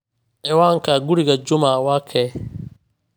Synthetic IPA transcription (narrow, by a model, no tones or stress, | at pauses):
ʔɛwaːŋkaɡuɽiɡad͡ʒʊmawaːkʰɛː